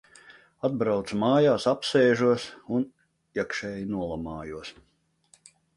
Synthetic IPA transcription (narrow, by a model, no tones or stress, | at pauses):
ad̪̚bɾawt̪smaːjaːsapseːʒuɔsun | iɛkʃɛːjnuɔlˠamaːjuɔs